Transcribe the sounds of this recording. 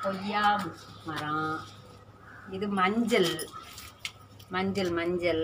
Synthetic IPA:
kɔjːaːmɐɾãː | ɪðɯmɐɲd͡ʒɐl | mɐɲd͡ʒɐlmɐɲd͡ʒɐl

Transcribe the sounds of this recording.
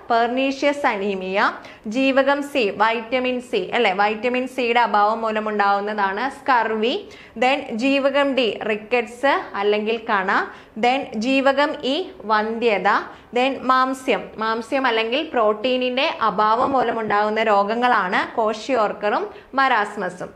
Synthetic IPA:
perɳiːʂjɐsɐniːmijɐ | d͡ʑiːʋɐɣɐmsiʋɐjtːɐminsiʔɐlːe̞ʋɐjtːɐminsijuɽe̞ɐbʱaːʋɐmːoːlɐmuɳɖaːɣunːɐðaːɳɨskɐrʋi | d̪end͡ʑiːʋɐɣɐmɖirikːɐʈsɨɐlːe̞ŋɡilkɐɳa | d̪end͡ʑiːʋɐɣɐmiʋɐnd̪jɐðɐ | d̪enmaːmsjɐmːaːmsjɐmɐlːe̞ŋɡilpro̞ːʈːiːninde̞ʔɐbʱaːʋɐmːoːlɐmuɳɖaːɣunːɐɾo̞ːɡɐŋːɐɭaːɳɨko̞ːʂioːrkɐrumː | ɐɾaːsmɐsum

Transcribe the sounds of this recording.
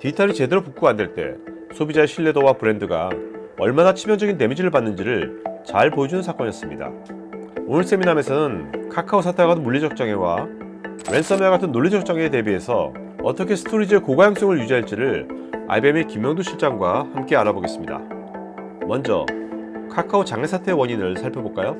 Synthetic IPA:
tiitʰʌɾit͡ɕe̞deɾopuk͈uandeɭt͈e̞̰ | sʰobid͡ʑaeɕʰiɭːe̞dowapɯɾe̞ndɯɡa̰ʌɭmanat͡ɕʰimjʌŋd͡ʑʌɡinne̞mid͡ʑiɾɯɭpanːɯnd͡ʑiɾɯɭt͡ɕaɭpoed͡ʑunɯnsʰak͈ʌɲijʌs͈ɯmɲḭda̰ | onɯɭs͈e̞miname̞sʰʌnɯnkʰakʰausʰatʰaɡadonmuɭːid͡ʑʰʌk̚t͡ɕ͈aŋe̞wa̰ | we̞ns͈ʌmeaɡatʰɯnːoɭːid͡ʑʌk̚t͡ɕ͈aŋete̞bie̞sʰʌ̰ | ʌ̰t͈ʌkʰe̞sʰɯ̥tʰoɾid͡ʑiekoɡajaŋs͈oŋɯɭjud͡ʑiɦaɭt͡ɕ͈iɾɯɭa̰jbemekimjʌŋdoɕʰiɭt͡ɕ͈aŋɡwahamk͈e̞aɾaboɡe̞s͈ɯmɲida̰ | mʌnd͡ʑʌ̰kʰakʰaot͡ɕaŋe̞sʰatʰe̞wʌɲinɯɭsʰaɭpʰjʌboɭk͈ajo

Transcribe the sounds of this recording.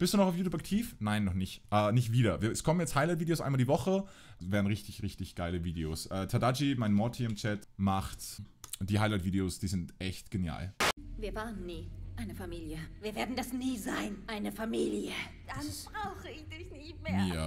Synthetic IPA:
b̥ɪstd̥uːnɔχaʊfjuːtʰupak̚tʰiːfnaɪnːɔχnɪçtʔɛːnɪçtv̥iːɾɐviːɐɛskʰɔmənjɛt͡sthaɪlaɪtviːdeosʔaɪnmaldiːvɔχə | veːɐn̩ʁɪçtɪçʁɪçtɪçɡ̥aɪləviːdeo̰ːsʔɛːtʰadad͡ʒimaɪnmɔtʰiɪmt͡ʃɛtmaχtd̥iːhaɪlaɪtv̥iːdeoːsd̥iːzɪntʔɛçtɡ̥enja̰ːlviːɐvaːʁənːiːʔaɪnəfamiːljəviːɐveːɐdn̩dasniːzaɪnʔaɪnəfamiːljə | d̥abʁaʊxəɪçd̥ɪçnɪçtmeːɐaɐ

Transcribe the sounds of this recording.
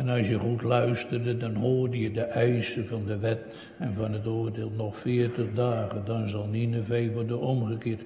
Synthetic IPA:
ɛnɑlˠsjəχutlœɥstərdədɑnɦoːrdəjədəʔɛjsəvɑndəʋɛt | ɛnvɑnətoːrdeːlˠnɔχfɪːrtəχdaːɣədɑnzɑlˠninəvejʋɔrdənɔmχəkɪːrt

